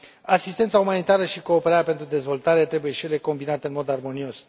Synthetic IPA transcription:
asist̪e̞nt̪saumanit̪aɾəʃiko̞ːpe̞ɾaɾjape̞nt̪ɾud̪e̞zvo̞lt̪aɾe̞t̪ɾe̞buje̞ʃije̞le̞ko̞mbinat̪e̞ɨnmo̞d̪armo̞nio̞s

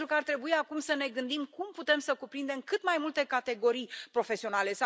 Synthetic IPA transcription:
t̪ɾukəart̪ɾe̞buiakumsəne̞ɡɨnd̪imkumput̪e̞msəkupɾind̪e̞mkɨt̪majmult̪e̞kat̪e̞ɡo̞ɾijpɾo̞fe̞sio̞nale̞s

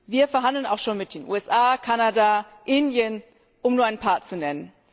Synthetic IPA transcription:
viːɐfɛɐɦandl̩naʊxʃoːnmɪt̚d̥eːnʔṵːɛsʔaːkʰanada | ʔɪndjən | ʔʊmnuːɐʔaɪnpʰaːɐt͡sunɛnən

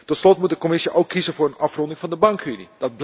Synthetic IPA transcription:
tɔtslɔtmutdəkomɪsəʔowkʰːizənvʊːɹənɑfrɔndɪŋvɑndəbɑŋkynid̥ɑd̚bl

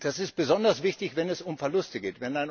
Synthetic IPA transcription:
d̥asɪstb̥əzɔndɐsv̥ɪçtɪçv̥ɛnɛsʊmfɛɐlʊstəɡeːtv̥ɛnaɪn

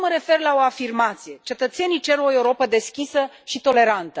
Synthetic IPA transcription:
məɾe̞fe̞rlaoafirmat̪sije̞t͡ʃe̞t̪ət̪se̞nijt͡ʃe̞ɾo̞e̞wuɾo̞pəd̪e̞skʲisə | ʃit̪o̞le̞ɾant̪ə

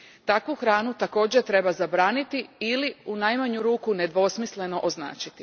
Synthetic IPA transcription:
t̪akʋuxɾaːnut̪ako̞ːd͡ʑet̪ɾe̞bazabɾaːnit̪iiliunajmaɲuɾuːkune̞d̪ʋo̞smisle̞no̞ʔozna̰ːt͡ʃit̪i̥

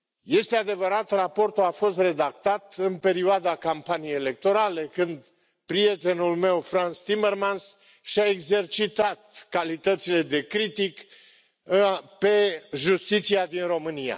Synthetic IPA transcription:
je̞st̪e̞ad̪e̞vəɾat̪rapo̞rt̪uafo̞st̪re̞d̪akt̪at̪ɨnpe̞ɾioad̪akampanijejele̞k̚t̪o̞ɾale̞kɨnd̪ | pɾije̞t̪e̞nulme̞wfɾant̪st̪ime̞rmans | ʃaeɡze̞rt͡ʃit̪at̪̚kalit̪ət̪sile̞d̪e̞kɾit̪ik | pe̞ʒust̪it̪siad̪inro̞mɨnija̰

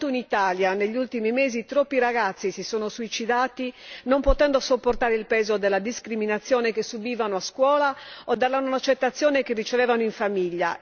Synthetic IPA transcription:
t̪oinit̪aːljaneʎːiult̪imimeːzit̪ɾɔpːiɾaɣat̪sːisisoːnosuit͡ʃid̪aːt̪inompot̪ɛnd̪osopːort̪aːɾeilpɛːzod̪elːad̪iskɾiminat̪sːjɔːnekesubiːvanoaskwɔːlaɔd̪ɛlːanonat͡ʃːet̪ːat̪sːjɔːnekerːit͡ʃevɛːvanoiɱfamiʎːa̰

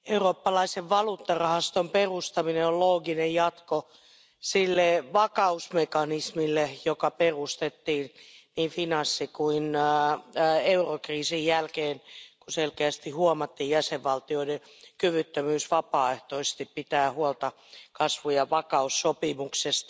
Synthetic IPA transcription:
euroːpːɑlɑiseʋʋɑluːt̪ːɑrɑhɑst̪omperust̪ɑmineolloːɡinejjɑt̪ko | silːeʋɑkɑusmekɑnismilːejokɑperust̪et̪ːiːnniːfinɑsːikuin | eurokriːsijjælkeːnkuselkeæst̪ihuomɑt̪ːiːjæseʋʋɑlt̪ioide | kyʋyt̪ːømyːsʋɑpɑːeht̪oise̥st̪ippit̪æːhuolt̪ɑ | kɑsʋujɑʋɑkɑusːopimuksest̪

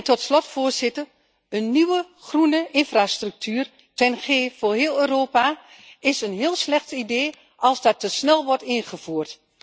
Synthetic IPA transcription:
tɔtslɔtfʊːɹzɪtər | ənːiʋə | χrunəʔɪnfraːstryk̚tʰyːr | tɛnχeːfoːɹɦɪːlˠøːroːpa | ɪsənɦɪːlˠslɛxtideː | ʔɑlˠzdɑtəsnɛlˠʋɔɹtɪnχəv̥uːrt

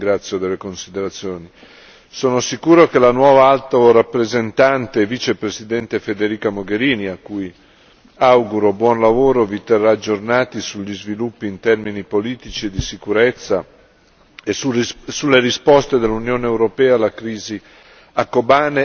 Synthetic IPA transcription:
iŋɡɾat̪sːjod̪elːekonsid̪eɾat̪sjoːni | soːnosikuːɾokelanwɔːvaalt̪oɾapːɾezent̪ant̪evit͡ʃepɾesid̪ɛnt̪efed̪eɾiːkamoɡeɾiːniakːuj | awɡuɾobwɔnlavoːɾovit̪erːaːd͡ʒːornaːt̪isuʎːizvilupːiːnt̪ɛrminipoliːt̪it͡ʃied̪isikuɾet̪sːa | esulːeɾispɔst̪ed̪elːunjoːneːwɾopɛːalːakɾiːzi | akːobaːne

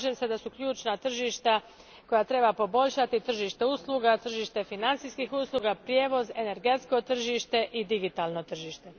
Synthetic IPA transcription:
ʒemse̞d̪asukʎʲuːt͡ʃnat̪r̩ʒiːʃt̪a | ko̞jat̪ɾe̞bapo̞bo̞ʎʲʃat̪it̪r̩ʒiːʃt̪e̞uslˠuːɡat̪r̩ʒiːʃt̪e̞finant̪siskixuːslˠuɡapɾjeːʋo̞ze̞ne̞ɾɡe̞t̪sko̞t̪r̩ʒiːʃt̪e̞ʔid̪iɡit̪aːlno̞t̪r̩ʒiːʃt̪e̞

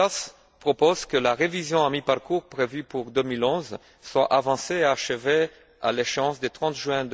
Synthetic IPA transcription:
as | pχopozkəlaʁevizjɔ̃amipaʁkuʁpχevypuʁd̪əmilɔ̃z | swaʔavɑ̃seːaʃəve | a̰leʃeɑ̃sd̪et̪χɑ̃t̪ʒɥɛ̃d̪

